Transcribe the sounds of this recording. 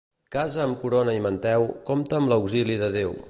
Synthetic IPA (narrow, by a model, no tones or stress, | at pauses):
kazəːmkuɾonəimənt̪ɛwkomt̪əːmləwɡziliðəðew